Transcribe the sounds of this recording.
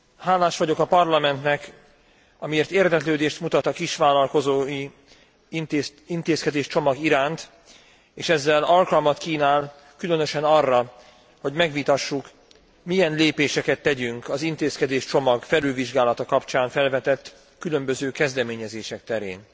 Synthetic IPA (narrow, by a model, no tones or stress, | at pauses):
haːlːaːʃʋɒɟo̞kɒpɒrlɒmɛnt̪nɛk | ɒmieːrt̪eːrd̪ɛkløːd̪eːʃt̪mut̪ɒt̪ɒkiʃʋaːlɒlko̞zoːi | int̪eːskɛd̪eːʃt͡ʃo̞mɒɡiɾaːnt̪ | eːʃɛzːɛlɒlkɒlmɒt̪kiːnaːl | kylø̞nø̞ʃɛnɒrːɒ | ho̞ɟmɛɡʋit̪ɒʃːuk | mijɛnleːpeːʃɛkɛt̪ːɛɟyŋkɒzint̪eːskɛd̪eːʃt͡ʃo̞mɒɡfɛlylviʒɡaːlɒt̪ɒkɒpt͡ʃaːɱfɛlvɛt̪ɛt̪ː | kylø̞mbø̞zøːkɛzd̪ɛmeːɲɛzeːʃɛk̚t̪ɛɾḛːn